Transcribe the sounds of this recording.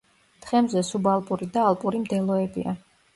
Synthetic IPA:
t̪ʰχɛmzɛsubalˠpʼuɾid̪aːlˠpʼuɾimd̪ɛlˠɔɛbḭa̰

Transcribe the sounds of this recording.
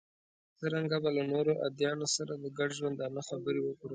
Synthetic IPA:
t͡səɾaŋɡabalanoɾoʔa̰d̪jɑnosaɾad̪əɡaɖʒwand̪anaxabəɾewəkɽe

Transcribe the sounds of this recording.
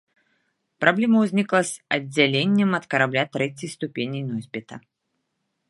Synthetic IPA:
pɾʔablʲɛmɐwzʲnʲiklˠɐsɐdd͡zʲːalʲenʲːɛmɐt̪kɐɾablʲat̪ɾɛt͡sʲijst̪upʲenʲijnɔzʲbʲɛt̪ɐ

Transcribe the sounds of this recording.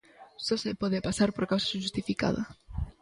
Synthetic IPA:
sosepɔðepasaɾpoɾkawsaʃust̪ifika̰ða̰

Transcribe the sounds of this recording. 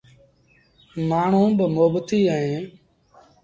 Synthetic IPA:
maːɳ̤ũːbəmoːbt̪iːəɦẽː

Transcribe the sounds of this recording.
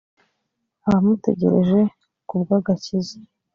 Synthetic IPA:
aamute̞̰ɟe̞̰ɾeʒe̞ | kubɡaɡacizi

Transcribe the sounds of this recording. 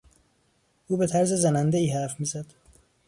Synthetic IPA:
ʔuːbe̞t̪ʰæɾzezænænd̪eiːhæfmiːzæd̪̥

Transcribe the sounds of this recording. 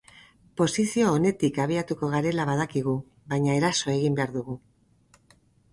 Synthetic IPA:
po̞sisio̞ːne̞t̪ikaβ̞iat̪uko̞ɣ̞aɾe̞laβað̞akiɣu | βajɲae̞ɾaso̞e̞ɣ̞imbe̞aɾðuɣ̞u

